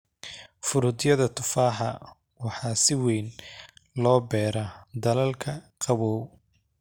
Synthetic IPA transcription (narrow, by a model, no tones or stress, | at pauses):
fʊɾʊd̪jɐðɐt̪ʰʊfaːħɑ | wɑħɑːsɪwɛjnlɔːbɛːɾɐd̪ɐlɐlkʰɐqɑβɔw